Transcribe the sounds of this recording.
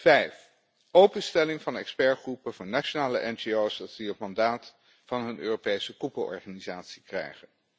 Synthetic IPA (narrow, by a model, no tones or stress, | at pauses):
v̥ɛjf | owpənstɛlɪŋvɑnɛ̰kspɛɹχrupəvʊːɹnat͡ʃonaːləʔɛnd͡ʒiowsdɑtiɦətmɑndaːt | vɑnɦɵnøːropejsəkupəlɔ̰ɹχaːnizaːtsi̥krɛ̰jχən